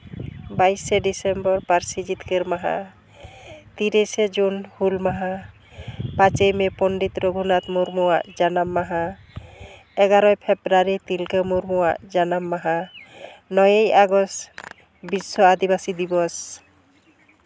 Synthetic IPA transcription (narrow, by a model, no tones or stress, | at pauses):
bajsɛɖisembɔɾpaɾsid͡ʒit̪keɾmaɦa̰ | t̪iɾised͡ʒunhulmaɦa | pat͡ʃejmepɔnɖit̪ɾɔɡʱunat̪muɾmuwaʔd͡ʒanamːaɦa | ɛɡaɾɔjpʰebɾaɾit̪ilkemuɾmuwaʔd͡ʒanamːaɦa | nɔjejaɡɔs | bisːɔad̪ibasid̪ibɔs